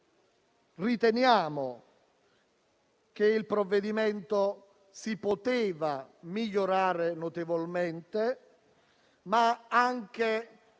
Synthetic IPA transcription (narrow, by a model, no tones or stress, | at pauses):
rit̪enjaːmo | k̟eilpɾovːed̪imɛnt̪o | sipot̪eːvamiʎːoɾaːɾenot̪evolmɛnt̪e | maaŋk̟e